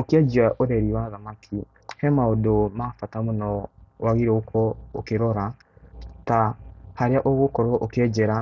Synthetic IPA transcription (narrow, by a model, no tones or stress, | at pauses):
okeɛd͡ʒiaʔoɾɛɾiwaðamakʰi | hɛmaodomafatamonɔwaɣiɾɛokʰɔokeɾɔɾa | tahaɾeaʔoɣokɔɾɔʔokeɛd͡ʒɛɾa